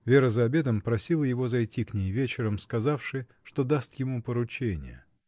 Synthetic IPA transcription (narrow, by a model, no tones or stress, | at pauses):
vʲeɾəzəɐbʲe̞d̪əmpɾɐsʲilˠəjɪvo̞zɐjtʲːiknʲejvʲet͡ɕɪɾəmskɐzafʂɨ | ʂt̪o̞d̪ast̪jɪmupəɾʊt͡ɕenʲɪ̰jə̰